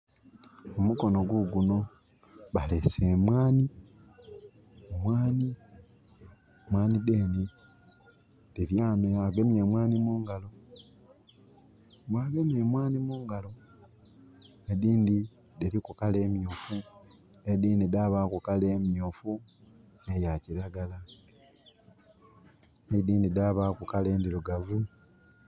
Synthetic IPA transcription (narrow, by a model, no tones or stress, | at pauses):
omuko̞no̞ɡuɡuno̞ | βalesemwaːni | omwaːni | mwaːnideːni | deβjaːnojaɡemje̞mwaːnimuːŋɡalo̞ | mwaːɡe̞mje̞mwaːnimuːŋɡalo̞ | ediːndi | delikukale̞ːmjuːfu | ediːndidaβakukale̞ːmjofu | nejaciɾaɡala | ediːndidaːβaːkukale̞ːndiluɡavu